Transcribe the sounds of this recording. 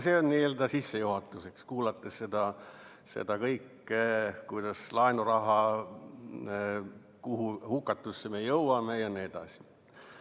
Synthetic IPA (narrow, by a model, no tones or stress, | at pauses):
seonnieːld̪ɑsisːejuhɑt̪ːˑuse̞kskuːlɑt̪ːˑessed̪̥ɑ | se̞̰d̪̥ɑkɤjkːˑ | kujd̪̥ɑslɑenurɑɦɑ | kuhuhukːˑɑt̪ːˑusːeme̞jɤwɑmejɑnie̞d̪̥ɑ̰si̥